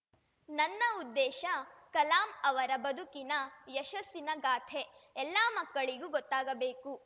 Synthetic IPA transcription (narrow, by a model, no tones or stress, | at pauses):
nɐnːɐud̪ːɛːʃɐkɐlaːmɐʋɐɾɐbɐd̪ʱukinɐjɐʃɐsinɐɡaːt̪ʰeɛlːaːmɐkːɐɭiɡuːɡɔt̪ːaːɡɐbeːku